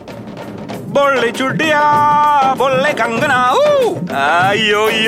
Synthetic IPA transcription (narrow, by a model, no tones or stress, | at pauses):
bolːet͡ʃuɖija | bolːekaŋɡənauaijoi